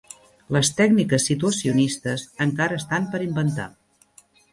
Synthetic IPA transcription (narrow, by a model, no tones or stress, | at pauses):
ləst̪ɛɡnikəsːit̪uəsiunist̪əzəŋkaɾəːst̪ampəɾimbənt̪a̰